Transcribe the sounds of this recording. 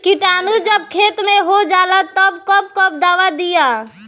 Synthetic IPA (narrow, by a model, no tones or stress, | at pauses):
kiʈanud͡ʒəbkʰet̪meɦod͡ʒalat̪əbkəb̚kəb̚d̪awad̪ija